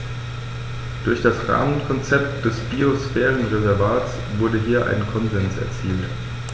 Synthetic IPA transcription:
d̥ʊɐçd̥asʁa̰ːmənkʰɔnt͡sɛp̚td̥ɛsb̥iosfɛːʁənʁezɛɐvaːtt͡s | v̥ʊɐdəɦiːɐʔa̰ɪnkʰɔnzɛnsɛ̰ɐt͡siːlt

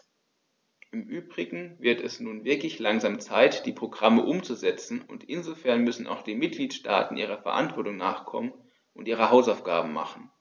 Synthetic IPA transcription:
ʔɪmʔyːbʁɪɡŋ̩vɪɐtɛsnuːnvɪɐklɪçlaŋzaːmt͡saɪtd̥iːpʁ̥oɡʁaməʔʊmt͡suzɛt͡sn̩ʊ̰ntʔɪnzofɛɐnmʏsn̩a̰ʊxd̥iːnmɪt̚ɡ̥liːtʃtʰa̰ːtn̩ʔiːʁ̞ɐfɛɐʔa̰ntv̥ɔɐtʊŋna̰ːχkʰɔ̰mən | ʔʊntʔiːʁəɦaʊsaʊfɡ̥a̰ːbm̩ma̰χn̩

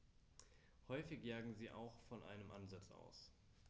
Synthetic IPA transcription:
hɔʏfɪçjaːɡŋ̩ziːʔa̰ʊxfɔnʔa̰ɪnəmʔanzat͡sʔa̰ʊs

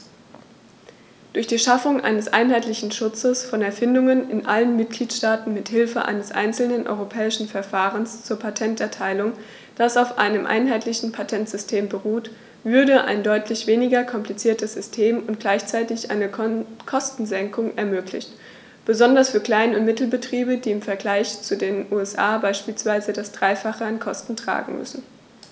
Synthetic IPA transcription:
d̥ʊɐçd̥iːʃafʊŋʔa̰ɪnəsʔa̰ɪnɦaɪtlɪçn̩ʃʊt͡səsfɔnɛɐfɪndʊŋənɪnʔalənmɪt̚ɡ̥liːtʃtaːtn̩mɪthɪlfəʔa̰ɪnəsʔa̰ɪnt͡sl̩nənʔɔ̰ʏʁopʰɛːɪʃn̩fɛɐfaːʁənst͡suːɐpʰatʰɛntɛɐtʰaɪlʊŋ | d̥asaʊfʔa̰ɪnəmʔa̰ɪnɦaɪtlɪçn̩pʰatʰɛntz̥ʏstʰeːmbəʁuːt | vʏɐdəʔa̰ɪndɔʏtʰlɪçv̥eːnɪɡɐkʰɔmplit͡siːɐtəsz̥ʏstʰeːmʊnt̚ɡ̥laɪçt͡saɪtɪçʔa̰ɪnəkʰɔstn̩zɛŋkʊŋɛɐmøːklɪ̰çt | b̥əzɔndɐsfyːɐkl̥aɪnʊntmɪtl̩bətʁ̥iːbədiːɪmfɛɐɡlaɪçt͡sudeːnʔuːɛsʔa̰ːbaɪʃpiːlsv̥aɪzədasd̥ʁaɪfaχəankʰɔstn̩tʁ̥a̰ːɡŋ̩mʏ̰sn̩

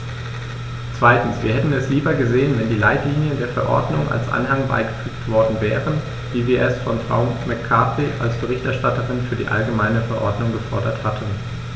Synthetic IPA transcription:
t͡sv̥aɪtn̩sv̥iːɐhɛtn̩ɛsliːbɐɡəzeːənvɛndiːla̰ɪtliːnjəndeːɐfɛɐʔɔ̰ɐdnʊŋʔa̰lsʔa̰nɦaŋba̰ɪɡəfyːktv̥ɔɐdn̩vɛːʁən | viːviːɐɛstfɔnfʁ̥a̰ʊmɛkʰːaːpiʔa̰lsb̥əʁ̞ɪçtʔɛɐʃtatəʁɪnfyːɐdḭːʔa̰lɡəmaɪnəfɛɐʔɔɐdnʊŋɡəfɔɐdɐthatʰn̩

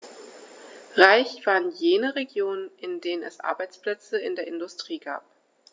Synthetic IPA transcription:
ʁaɪçv̥aːɐʁənjeːnəʁeɡjoːnənʔɪndeːnənɛ̰sʔa̰ɐbaɪt͡spl̥ɛt͡səɪ̰ndeːɐʔɪndʊstʁ̥iːɡa̰ːp̚

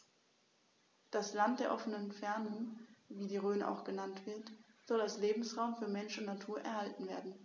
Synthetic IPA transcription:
d̥aslant̚d̥eːɐʔɔfənənfɛɐnʊŋviːdiːʁøːnəʔa̰ʊxɡ̥ənantv̥ɪɐt | z̥ɔlalsleːbm̩sʁaʊmfyːɐmɛnʃʊntnatʰuːɐʔɛɐhaltn̩veːɐdn̩

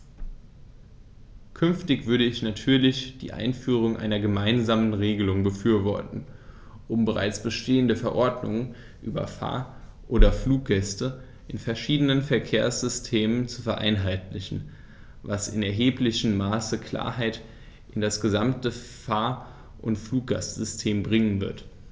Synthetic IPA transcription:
kʰʏnftɪçv̥ʏɐɾəɪçnatʰyːɐlɪçd̥ḭːʔa̰ɪnfyːʁ̞ʊŋʔa̰ɪnɐɡəmaɪnzaːmənʁeːɡəlʊŋbəfyːɐvɔɐtn̩ | ʔʊmbəʁa̰ɪt͡sb̥əʃtʰeːəndəfɛɐʔɔɐdnʊŋən | ʔy̰ːbɐ̰fa̰ːɐʔoːdɐfluːk̚ɡ̥ɛstə | ʔɪnfɛɐʃiːdənənfɛɐkʰeːɐsz̥ʏstʰeːmənt͡su̥fɛɐʔa̰ɪnɦaɪtlɪçn̩ | vasɪnɛɐɦeːplɪçən̩maːsəkʰl̥a̰ːɐɦaɪt | ʔɪndasɡ̥əzamtəfaːɐ | ʔʊntfluːk̚ɡ̥a̰sz̥ʏstʰeːmbʁɪŋənvɪ̰ɐt

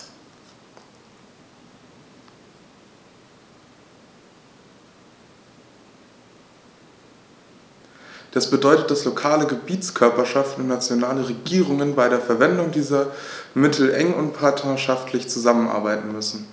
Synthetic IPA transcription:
d̥asb̥ədɔʏtət̚d̥aslokʰaːləɡəbiːtt͡skʰœɐpɐʃaftn̩ʊntnat͡sjonaːləʁeɡiːʁʊŋənbaɪɾeːɐfɛɐvɛndʊŋdiːzɐmɪtʰl̩ʔɛŋʊntpʰaɐtɐʃaftʰlɪçt͡suzamənʔa̰ɐbaɪtn̩mʏsn̩

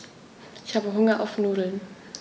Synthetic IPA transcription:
ʔɪçhaːbəɦʊŋɐʔaʊfnuːdl̩n

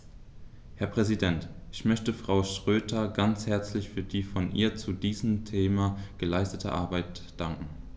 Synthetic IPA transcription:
hɛɐpʁ̥ɛzidɛntʔɪçmœçtəfʁ̥aʊʃʁ̥øːtʰɐɡant͡shɛɐt͡slɪçfyːɐdiːfɔnʔḭːɐt͡sudiːzəmtʰeːmaɡ̥əlaɪstətʰə̰ʔa̰ɐbaɪt | d̥aŋkŋ̩

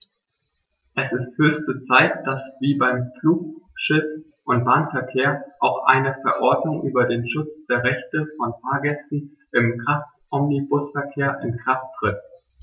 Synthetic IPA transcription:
ʔɛsɪsthøːçstət͡saɪtd̥asv̥iːbaɪmfluːk̚ʃɪt͡s | ʔʊnt̚b̥aːnfɛɐkʰeːɐʔaʊxʔa̰ɪnəfɛɐʔɔɐdnʊŋʔyːbɐdeːnʃʊt͡sd̥eːɐʁɛçtəfɔnpʰaːɡɛt͡si | ʔɪmɡʁ̥aftʔɔmnibʊsfɛɐkʰeːɐʔɪnɡʁ̥aftːʁ̥ɪt̚

